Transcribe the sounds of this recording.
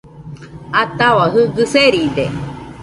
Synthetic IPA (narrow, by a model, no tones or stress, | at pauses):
at̪awaɦɯɡɨseɾid̪e